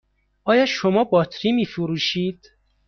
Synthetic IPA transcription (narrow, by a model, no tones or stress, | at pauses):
ɒːjɒːʃomɒːbɒːt̪ʰɾimiːfuɾuːʃiːd̪̥